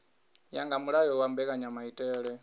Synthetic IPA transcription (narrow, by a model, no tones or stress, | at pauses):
jaŋɡamuɺajɔwambɛkaɲamaitʼɛːɺɛ